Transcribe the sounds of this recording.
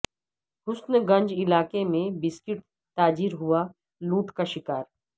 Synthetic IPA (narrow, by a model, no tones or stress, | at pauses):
hʊsnəɡɐ̃ɲd͡ʒɪlaːkemẽbɪskɪʈ | t̪aːd͡ʒiɾɦua | luːʈkaʃɪkaːɾ